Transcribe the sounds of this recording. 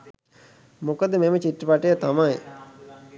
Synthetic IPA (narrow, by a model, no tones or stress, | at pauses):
mokəd̪əmemət͡ʃiʈːəpaʈejət̪amaj